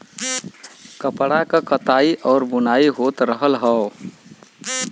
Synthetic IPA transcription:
kəpɽakəkət̪aiʔɔːɾbunaiɦot̪ɾəɦəlɦəo

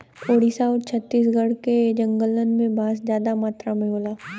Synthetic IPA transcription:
oːɽiːsaɔːɾt͡ʃʰət̪ːiːs̬ɡəɽked͡ʒə̃ŋɡəlːənmẽbaːszjaːd̪amaːt̪ɾamẽɦoːlaː

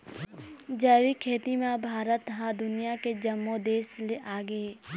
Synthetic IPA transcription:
d͡ʒəːwikʰeːt̪imãbʱaːɾət̪ɦad̪ʊnijaked͡ʒəmːod̪eːsleʔaːɡeː

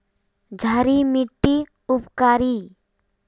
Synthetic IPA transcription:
d͡ʒʱaɾimiʈːi | ʊpkaːɾi

